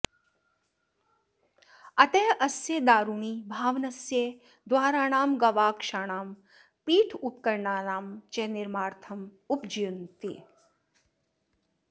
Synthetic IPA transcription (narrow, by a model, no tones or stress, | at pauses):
ɐt̪ejʔɐsjeːd̪aːɾuːɳ̃iːbʱaːʋnɐsjeː | d̪waːɾaːnaːmɡɐʋaːkʃaːɽ̃aːm | piːʈʰup̪̚kɐɾɳaːnaːmt͡ʃeːniɾmaːɾt̪ʰɐm | upd͡ʒijunt̪ḭ